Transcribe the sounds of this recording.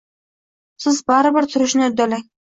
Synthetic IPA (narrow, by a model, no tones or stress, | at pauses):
sɪzbaɾɪbɪɾt̪ʰʊɾɪʃnɪʊd̪alaŋ